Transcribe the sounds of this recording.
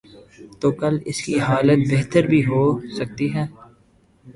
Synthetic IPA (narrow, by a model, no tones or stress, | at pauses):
t̪oːkɐlɪ̰skiɦaːlət̪̚beɦt̪əɾbʱiɦoːsɐk̚t̪iɦɛː